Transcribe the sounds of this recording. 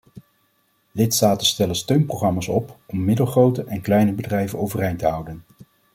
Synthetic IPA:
lɪtstaːtənstɛlənstøɥnproχrɑmaːsɔpɔmːɪdəlˠχrowtəʔɛnklɛjnəbədrɛjvənowvərejntəɦʌwdən

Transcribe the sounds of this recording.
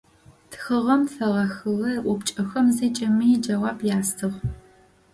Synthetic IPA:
txəʁɐmfɐʁɐxɨwɐrʔʷʊpt͡ʃʼɐxɐmzɐːt͡ʃʼɐmiːd͡ʒɐʁɑːbjaːstʰɨʁ

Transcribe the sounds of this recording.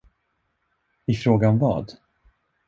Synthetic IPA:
ɪfɾoːɡanvɑ̰ːd̪

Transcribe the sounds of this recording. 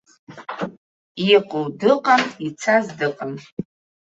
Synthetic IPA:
iqʷʼʊwdɨqʼanit͡sʰazdɨqʼam

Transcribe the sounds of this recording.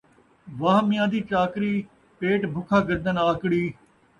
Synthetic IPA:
ʋaːɦmɪjãːd̪iːt͡ʃaːkɾiː | peːʈbʱʊkʰaːɡəɾd̪ənaːkɽiː

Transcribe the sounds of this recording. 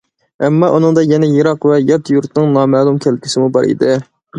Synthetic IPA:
ɛmːɑʔunɨŋd̪ɑjɛnɛjeɾɑqvɛjɑt̪juɾt̪nɨŋnɑmɛːlˠumkʲʰælkʲʰisɪmubɑ̰ɾḭd̪ɪ

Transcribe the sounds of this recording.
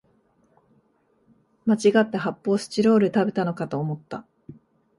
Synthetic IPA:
mat͡ɕiɡat̪ːe̞ɦapːo̞ːɕɨ̥t͡ɕiɾo̞ːɾɯ̟t̪abe̞̥t̪ano̞kat̪o̞ːmo̞t̪ːa

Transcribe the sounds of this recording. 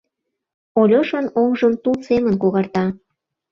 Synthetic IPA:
olʲoʃənoŋʒəmt̪ulsemənkoɣɑrt̪ɑ

